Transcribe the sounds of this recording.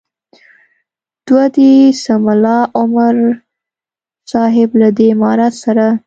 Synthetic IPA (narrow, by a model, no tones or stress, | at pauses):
d̪̥wad̪isamalɑʔʊmaɾ | sɑɦɪblad̪emɑɾat̪saɾa